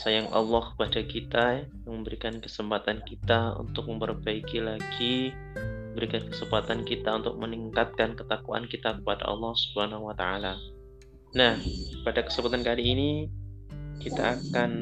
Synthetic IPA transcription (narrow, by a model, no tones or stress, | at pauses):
sajaŋʔɑ̰lːɑhkə̥padakit̪ajaŋməmbəɾikankə̥səmpat̪ankit̪aṵnt̪ʊk̚məmpərbaikilaɡ̥i | məmbəɾikankə̥səmpat̪ankit̪aunt̪ʊk̚məniŋkat̪̚kankət̪akua̰nkit̪akə̥pada̰ʔɑ̰lˠːɑhsu̥b̥əhanahuwat̪a̰ala | nahpadakə̥səmpat̪ankaliːni | kit̪a̰ːkan